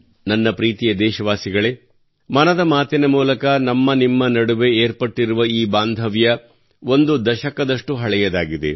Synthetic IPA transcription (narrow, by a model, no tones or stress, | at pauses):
nɐnːɐpɾiːt̪ijɐd̪ɛːʃɐʋaːsiɡɐɭe | mɐnɐd̪ɐmaːt̪inɐmuːlɐkɐnɐmːɐnimːɐnɐɽuʋe̞eːɾpɐʈːiɾuʋɐiːbaːnd̪ʱɐʋjɐ | o̞nd̪ud̪ɐʃɐkɐd̪ɐʂʈuɦɐɭɛjɐd̪aːɡid̪e̞̰